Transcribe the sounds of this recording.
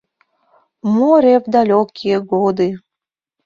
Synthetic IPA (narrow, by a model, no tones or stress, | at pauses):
moɾevd̪ɑlʲokʰieɡod̪i